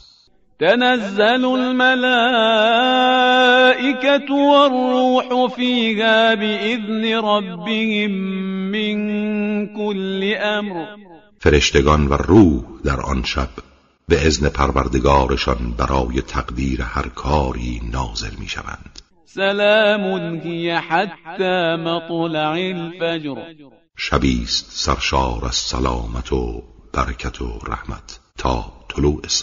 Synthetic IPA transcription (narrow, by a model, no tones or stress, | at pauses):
t̪anazːalʊlmalaː | ʔɪkat̪warˤːuːħʊfiːhaːbɪʔɪðnɪɾˤɑbːɪhɪmːɪnkʊlːɪʔamɾ | fe̞ɾe̞ʃt̪ʰeɡɒnvæ̰ruːhd̪æɾʔɒ̰nʃæ̰b̥ | be̞ʔezne̞pʰæɾvæɾd̪e̞ɡɒːɾeʃɒnbæɾʔɒːje̞t̪ʰæɡd̪iːɾehæɾkʰɒːɾiːnɒːze̞̰lmḭːʃæ̰væ̰nd̪̥ | salaːmʊnhɪjaħat̪ːaːmɑt̪ˤlɑʕalfad͡ʒɾ | ʃæbiːst̪sæɾʃɒːɾæz̥sæ̰lɒ̰ːmæt̪ʰob̥æɾekʰæt̪ʰo̰ɾæ̰hmæ̰t̪ʰːɒːt̪ʰoluːʔes